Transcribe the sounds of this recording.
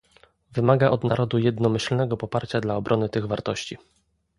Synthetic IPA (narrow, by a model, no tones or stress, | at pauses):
vɘmaɡaʔɔd̪naɾɔd̪ujɛd̪nɔmɘɕlnɛɡɔpɔpaɾt͡ɕad̪laɔbɾʔɔnɘt̪ɘɣvaɾt̪ɔɕt͡ɕi